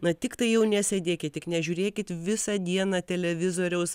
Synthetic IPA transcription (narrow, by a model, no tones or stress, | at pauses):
nɐt̪ʲɪkt̪ɐɪjɛʊnʲɛsʲed̪ʲeːkʲɪt̪tʲɪknʲɛʒʲuːɾʲeːkʲɪt̪ʋʲɪsɐd̪ʲiɛnɐt̪ʲɛlʲɛʋʲɪzoːɾʲɛʊs